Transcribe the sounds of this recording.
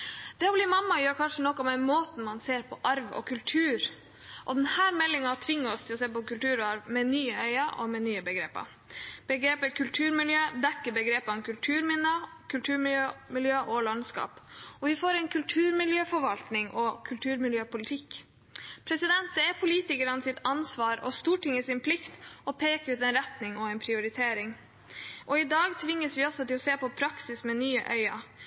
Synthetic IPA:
d̪̥ɛɔbliːmɑmːɑjøːɾkʰɑnʂənɔkːɔmænmoːt̪n̩mɑnseːɾpʰɔʔɑɾʋɔ̰kʰʉlt̪ʰʉːɾ | ʔɔd̪ɛnhæːɾmɛlːɪŋɑt̪ʰʋɪŋːəɔst̪ʰɪlɔseːpɔkʉlt̪ʉːɾɔɑɾʋmɛnyːəœʏɑʔɔ̰mɛnyːəbəɡɾeːpɑ̰ | b̥əɡɾeːpəkʰʉlt̪ʰʉːɾmɪljøːd̪ɛkːəɾbəɡɾeːpɔmkʉlt̪ʰʉːɾmɪnːəkʰʉlt̪ʰʉːɾmɪljømɪljøːʔɔlɑnskɑ̰ːpɔʋɪfoːɾɛɪnkʰʉlt̪ʰʉːɾmɪljøːfɔɾʋɑlt̪nɪŋʔɔkʰʉlt̪ʰʉːɾmɪljøːpʊlɪt̪ʰɪk | pʰɾɛsɪd̪ɛnt̪̚d̪ɛæɾpʰʊliːt̪ɪkəɾənəsɪt̪ʰɑnsʋɑːɾɔst̪uːʈɪŋːəsɪnpʰlɪkt̪ɔpʰeːkəɾʉːt̪ɛnɾɛt̪nɪŋɔɛnpʰɾɪʊɾɪt̪ʰeːɾɪŋ | ʔɔɪd̪ɑːɡt̪ʰʋɪŋːəsʋɪɔsɔt̪ɪlɔseːpɔpʰɾɑksɪsmɛnyːəʔœʏɑ̰

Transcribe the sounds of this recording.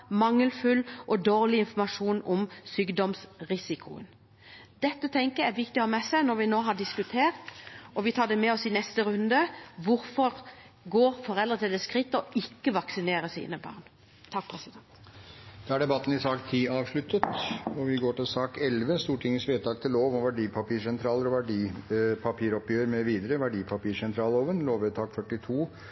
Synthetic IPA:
mɑŋːəlfʉlʔɔd̪oːʁlɪɪnfɔmɑʂuːnɔmsyːɡd̪ɔmsʁɪsɪkʰʊ̰ə̰n | d̪̥ɛt̪ːət̪ʰɛŋkəɾæɾʋɪkt̪ɪɔhɑːmɛsæɪnɔɾʋɪnoːɦɑɖɪskʉt̪ʰeːʁt̪ɔʋɪt̪ʰɑːɖ̪ɛmɛɔsɪnɛst̪əɾʉnd̪əʋʊɾfɔʁ | ɡoːʁfɔʁɛld̪ʁət̪ʰɪld̪ɛskʁɪt̪ːəɔʔɪkːəʋɑksɪneːɾəsḭːnəbɑ̰ːʁn | t̪ʰɑk̚ːpʰɾɛsɪd̪ɛnt̪d̪̥ɛæɖɛbɑt̪ːn̩ɪsɑːkt̪ʰiːɑːʋʂɭʉt̪ːət̪ɔʋɪɡoːʈɪlsɑːkɛlʋəst̪uːʈʰɪŋːəsʋeːt̪ɑːk̚t̪ʰɪlːoːʋɔʋæɖiːpʰɑpiːʂɛnt̪ʰɾɑːləɾɔʋæɖiːpʰɑpʰiːɾɔpjøːɾmɛʋiːd̪əɾəʋæɖiːpʰɑpiːʂɛnt̪ʰɾɑːloːʋənloːʋet̪ʰɑːkfœʈːɪt̪ʰuː

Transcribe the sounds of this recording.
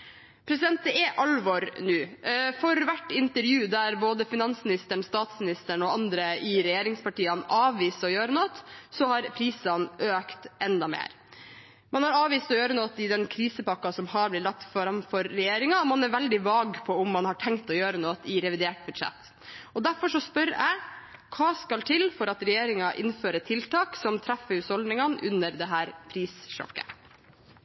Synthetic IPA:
pʰɾɛsɪd̪ɛnt̪d̪əɛʔɑlʋɔɾnʉːfɔɾʋæʈːɪnt̪əɾjʉːd̪æɾboːd̪əfɪnɑnsmɪnɪst̪əɳst̪ɑːt̪smɪnɪst̪əɳɔɑnd̪ɾəɪɾɛjeːɾɪŋspɑʈiːɑnʔɑːʋʋiːsɔjøːɾənot̪sɔhɑɾpʰɾiːsɑnʔøːkt̪ʔɛnd̪ɑmḛːɾ | mɑnhɑɾɑːʋiːst̪ɔjøːɾənoːt̪ɪd̪ɛnkʰɾiːsəpɑkːɑsɔmhɑɾblɪt̪lɑk̚t̪ːfɔɾɑnfɔɾːɛjeːɾɪŋɑɔmɑnæɾʋɛld̪ɪʋɑːɡpʰɔʊmːɑnhɑʈʰɛŋkt̪ɔjøːɾənoːt̪ɪɾɛʋɪd̪eːʈ̚bʉd̪ʂɛ̰t̪ː | ɔd̪æɾfɔʂɔspœɾæ̰ɪkʰɑːskɑlt̪ʰɪlfɔɾɑt̪ɾɛjeːɾɪŋɑʔɪnføːɾət̪ʰɪlt̪ɑːksɔmt̪ʰɾæfəɾʉːshɔld̪nɪŋɑnʉnːəɾd̪ɛɦæːɾpʰɾiːsʃɔ̰kːə̰

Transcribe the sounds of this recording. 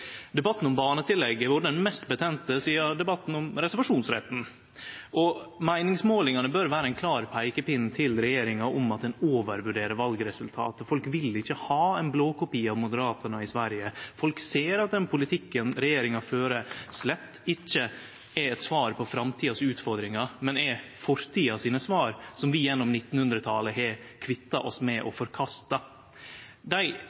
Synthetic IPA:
d̪ɛbɑt̪ːn̩ɔmbɑːnət̪ʰɪlːɛɡːəʋʊɾɖɛnmɛst̪bət̪ʰɛnt̪əsiːɑd̪ɛbɑt̪ːn̩ɔmɾɛsɛɾʋɑʂuːnsɾɛ̰t̪n̩ | ʔɔmæɪnɪŋsmoːlɪŋɑnəbøɾʋæːɾəɛɪnkʰlɑːɾpʰæɪkəpɪnt̪ʰɪlɾɛjeːɾɪŋɑʔɔmɑt̪̚d̪ɛnoːʋəɾʋʉɖeːɾəɾʋɑlɡɾɛsʉlt̪ʰɑ̰ːt̪əfɔlkʋɪlɪçːəhɑːæɪnbloːkʊpiːɑʋmʊd̪əɾɑːt̪ʰəɳəɪsʋæɾjəfɔlkseːɾɑt̪̚d̪ɛnpʰʊlɪt̪ʰɪkːənɾɛjeːɾɪŋɑføːɾəslɛt̪ːɪçːə | ɛɛt̪sʋɑːɾpʰɔfɾɑmt̪ʰiːɑsʉːt̪fɔɾd̪ɾɪŋɑmɛnɛfɔɾt̪ʰiːɑsiːnəsʋɑːɾsɔmʋɪjɛnːɔmnɪt̪ːn̩hʉnd̪ɾət̪ʰɑːləɦɛkʰʋɪt̪ːɑʔɔsmɛʔɔfɔɾkʰɑst̪ɑ | d̪æɪ

